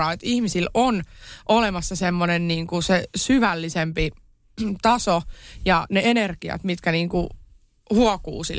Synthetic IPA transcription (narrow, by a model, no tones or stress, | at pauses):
ɑːet̪ihmisilonʔolemɑsːɑsemːonenniːŋkusesyʋælːisempi | t̪ɑsojɑneenerɡiɑ̰t̪mit̪kæniːŋku | huɔkṵːsḭl